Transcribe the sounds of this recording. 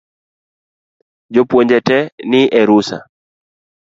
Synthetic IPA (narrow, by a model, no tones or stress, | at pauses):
d͡ʒopwoɲd͡ʒɛtɛnɪʔɛɾusa̰